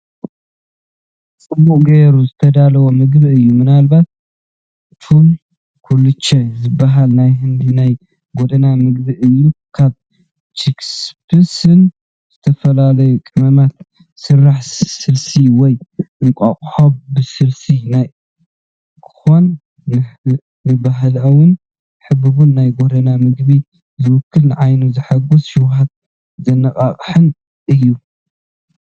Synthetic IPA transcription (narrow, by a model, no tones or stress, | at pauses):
t͡sʼɨbuʔɡeɾuzɨt̪ʰɐd̪alɐwomɨɡbɨɨjːumɨnalbat̪̚ | t̪ʰum | kʰulːut͡ʃʰːɛzɨbːaɦalnajɦɨnd̪inaj | ɡod̪ɐnamɨɡbɨʔɨjːukʰaβ | t͡ʃʰikspʰɨsɨn | z̥ɨt̪ʰɐfɐlalɐjukʼɨmɐmat̪ | sɨrːaħsɨlsiwɔjʔɨŋkʷʼaχʼħobbɨsɨlsinaj | kʰɨ̥xonː | ɨ | nɨbaɦlɐwʊn | ħɨbɨβunːajɡoɾɐnamɨɡbi | zɨwʊkʰːɨlnʕajnuzɨħaɡosʃɪwhat̪̚ | zɐnɐkʼaχʼħɨn | ʔɨjːu